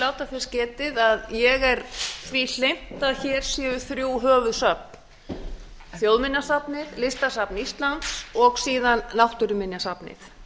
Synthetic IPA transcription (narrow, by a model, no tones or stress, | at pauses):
laːwt̪afɪ̥scɛːt̪ɪðaðjɛɣɛɾθviːl̥em̥t̪aðçɛːɾ̥sjɛːvʏθɾjuːwɦœːvʏðsœpn | θjowðmɪnːasapnɪðlɪst̪asapnist̪lant̪sɔɣsiːðanːawht̪ʏɾʏmɪnjasapnɪ̰θ